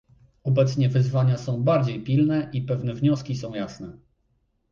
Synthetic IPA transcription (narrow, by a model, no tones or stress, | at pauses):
ɔbɛt̪sɲɛvɘzvaɲasɔ̃w̃baɾd͡ʑejpʲilnɛʔipɛvnɛvɲɔskʲis̬ɔ̃w̃jasnɛ